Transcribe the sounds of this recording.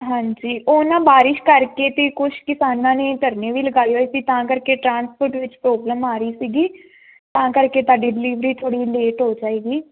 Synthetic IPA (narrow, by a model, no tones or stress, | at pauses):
ɦãːɲd͡ʒiːʔoːnãːbaːɾɪʃkəɾkeːt̪eːkʊʃkɪsaːnãːneːt̪əɾneːʋiːləɡaːioːesiːt̪ãːkəɾkeːʈɾãːnspʰəɾʈʋɪt͡ʃpɾoːbləmaːɾəiːsiːɡiː | t̪ãːkəɾkeːt̪aːɖiːɖɪliːʋɾiːt̪ʰoːɽiːleːʈɦoːd͡ʒaːeːɡiː